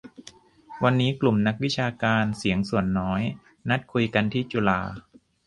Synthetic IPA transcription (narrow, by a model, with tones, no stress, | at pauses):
wa˧nːiː˦˥klu˨˩mna˦˥k̚wi˦˥t͡ɕʰaː˧kaː˧nsi˨˩˦əŋsu˨˩ənːɔː˦˥j | na˦˥t̪̚kʰu˧jka˧nt̪ʰiː˥˩t͡ɕu˧laː˧